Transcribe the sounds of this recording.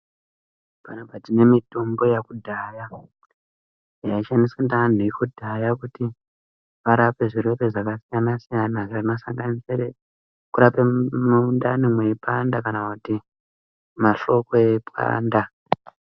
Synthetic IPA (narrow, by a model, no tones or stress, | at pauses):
panapatine̞mitombo̞jakudʱaja | jaiʃanisandan̤uikodʱajakuti | ʋaɾape̞ʐire̞pe̞ʐakasijanasijanaʐarinosaŋɡaniseɾe | kuɾapemundanimweipandakanakuti | maʃo̞koepwa̰ːnda